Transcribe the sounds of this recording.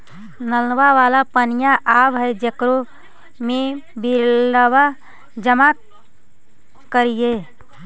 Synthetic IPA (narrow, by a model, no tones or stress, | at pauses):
nəlnwaʋaːlapənijaʔaːbɦɛd͡ʒəkɾo | mẽbiləwa | d͡ʒəma | kəɾije